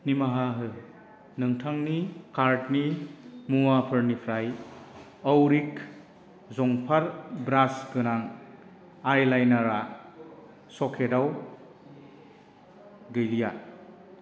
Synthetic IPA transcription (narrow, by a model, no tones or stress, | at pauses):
nimaɦaɦɯ | nɯŋtʰaŋnikaɾtnimuwapʰɯɾnipʰɾaj | əwɾik | zɔŋpʰaɾbɾasɡɯnaŋ | ajlajnaɾa | sɔkʰedaw | ɡɯjlija